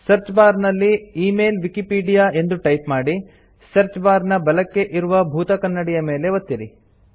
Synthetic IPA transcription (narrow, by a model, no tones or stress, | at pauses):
sɐɾt͡ʃbaːɾnɐlːiiːme̞ːlʋikipiːɖijaːe̞nd̪uʈɐjpmaːɽi | sɐɾt͡ʃbaːɾnɐbɐlɐkːe̞ʔiɾuʋɐbʱuːt̪ɐkɐnːɐɽijɐme̞ːle̞ʋot̪ːiɾi